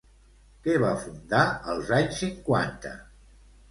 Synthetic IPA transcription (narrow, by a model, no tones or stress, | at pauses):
kɛβafund̪aəlˠzaɲsiŋkwa̰nt̪ə̰